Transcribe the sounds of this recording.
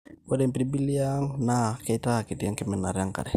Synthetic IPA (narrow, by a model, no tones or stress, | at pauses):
kodɛmpɾibiliaŋnakeit̪akit̪ijaŋkɛmɛna̰ɾjaŋka̰dɛ